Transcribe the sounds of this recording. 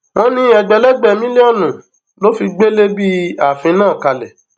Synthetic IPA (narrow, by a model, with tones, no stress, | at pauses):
wɔ̃˧nĩ˦ɛ˨ɡ͡bɛ˧lɛ˦ɡ͡bɛ˨mĩ˦le˦ɔ˦˨nũ˨ | lo˦fi˧ɡ͡be˦le˦bi˦a˨fĩ˧nãː˦˨ka˨lɛ˨